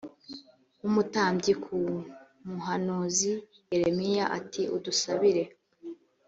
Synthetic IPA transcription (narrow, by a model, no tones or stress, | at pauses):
umutaːmbɟikʰu | muɦanozi | jeɾe̞mijaʔa̰tiʔṵdusaβiɾe̞